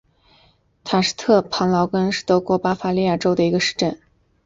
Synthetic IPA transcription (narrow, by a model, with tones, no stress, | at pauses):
t̪ʰa˨˩ʂ̩˥t̪ʰɤ˥˩pʰɑ˧˥ŋlɑ˧˥ʊkə˥nʂɻ̩˥˩t̪ɤ˧˥kwɔ˧˥pa˥fa˧˥li˥˧ja˥˩ʈ͡ʂo˥ʊd̪ə˨i˧˥ɡə˧ʂɻ̩˥˧ʈ͡ʂə˥˩n